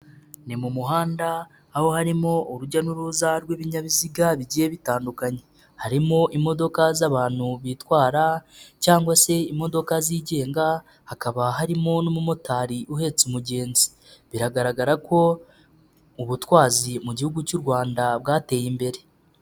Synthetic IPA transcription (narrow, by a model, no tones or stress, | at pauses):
nimumuɦaːndaː | ho̞haɾimo̞uɾuɟanuɾuzaɾweːβiɲaβiziɡaβiɟije̞βitaːndukaɲe̞ | haɾimo̞ʔimo̞do̞kazaβaːn̥huβitwaːɾacaːŋɡwase̞imo̞do̞kaziːɟe̞ːŋɡa | hakaβaɦaɾimo̞nomumotaːɾiʔuhe̞t͡sumuɟe̞ːnzi̥ | βiɾaɡaɾaɡaɾako̞ | uβutwaːzimuɟihuɡucuɾwaːndab̚ɡaːte̞ːjimbe̞ɾe̞